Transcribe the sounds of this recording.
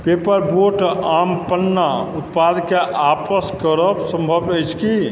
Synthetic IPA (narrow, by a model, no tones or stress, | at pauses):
pepəɾboʈampənːaut̪̚pad̪keʔapəskəɾəbsəmbʱəbəjt͡ʃʰki